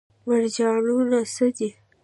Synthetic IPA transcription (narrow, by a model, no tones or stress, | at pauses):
maɽd͡ʒɑnunasəd̪i